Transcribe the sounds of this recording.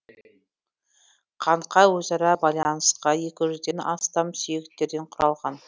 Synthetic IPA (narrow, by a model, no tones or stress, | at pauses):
qʰɑɴqʰɑjwɵzɑɾɑbɑjlˠɑnəsqɑje̞kʲɪʒʏzd̪e̞nɑ̰st̪ɑmsʏje̞kt̪ːe̞ɾd̪e̞ɴqʰʊɾɑlˠʁɑn